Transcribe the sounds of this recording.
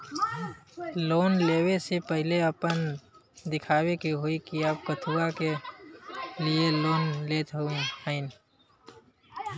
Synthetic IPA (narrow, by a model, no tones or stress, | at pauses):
loːnleːwesepəɦɪleəpənd̪ɪkʰaːwekiɦoikiaːp̚kət̪ʰuːake | lieloːnleːt̪ɦoĩhəɪn